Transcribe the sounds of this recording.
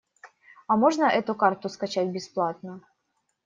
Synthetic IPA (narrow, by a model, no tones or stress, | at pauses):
ɐmoʐnəʔɛt̪ʊkart̪ʊskɐt͡ɕætʲbʲɪsplˠat̪̚nə